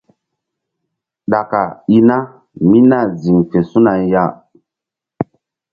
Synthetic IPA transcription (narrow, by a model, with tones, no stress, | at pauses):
ɗa˨ka˨i˦na˦ | mi˦na˦˨zi˨ŋfe˨su˦na˨ja˦˨